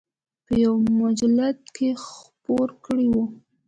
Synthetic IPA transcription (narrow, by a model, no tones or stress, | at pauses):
pəjawmʊd͡ʒalat̪kʰexpoɾkɽiwu